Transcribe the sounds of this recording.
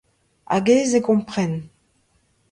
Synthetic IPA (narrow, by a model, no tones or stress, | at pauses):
a̰ɡeːzekɔ̃mpχɛn